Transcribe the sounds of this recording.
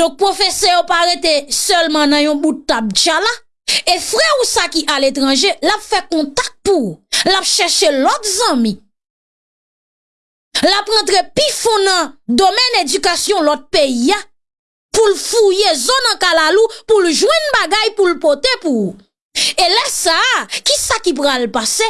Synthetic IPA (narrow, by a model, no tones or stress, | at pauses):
dɔ̃k̚pʁofesɛjopaɣet̪esœlmɑ̃nɐ̃jɔ̃butːab̚t͡ʃala | efʁɛusakiʔalet̪ʁɑ̃ʒelapfɛkɔ̃t̪ak̚t̪̚puulapʃɛʃelɔtzãmĩ | lapɣɑ̃t̪ʁepifɔ̃nɐ̃d̪omɛned͡zykasjɔ̃lɔt̪̚peia | pulfujezɔnãkalalupulʒwɛ̃nbaɡajpulpot̪epuu | elɛsakisakipʁalpase